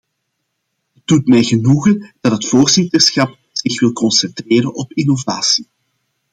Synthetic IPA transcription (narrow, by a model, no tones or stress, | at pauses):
ɦəd̥utmɛjɣənuɣənd̥ɑtɦətfoːrzɪtərsxɑp̚ | z̥ɪxʋɪlˠkɔnsɛntreːɾənɔpinovaːsi̥